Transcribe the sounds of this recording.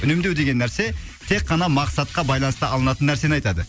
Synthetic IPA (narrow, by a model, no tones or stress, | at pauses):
ʏnemd̪ewd̪e̞ɡʲe̞nːæɾse̞ | t̪ʰe̞qːɑnɑmɑqsɑt̪̚qɑbɑjlˠɑnəst̪əːlˠənɑt̪ənːæɾse̞nɑjt̪ɑd̪ə